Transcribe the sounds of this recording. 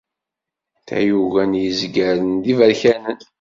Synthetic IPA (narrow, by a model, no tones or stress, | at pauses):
θæ̰juvænjəzɡæɾənd̪ivəɾçænən